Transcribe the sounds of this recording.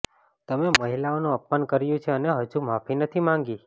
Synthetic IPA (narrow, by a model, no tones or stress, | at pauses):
t̪əmeməɦilaonũəp̚mənkəɾjũt͡ʃʰeəneɦəd͡ʒumapʰinət̪ʰimãŋɡi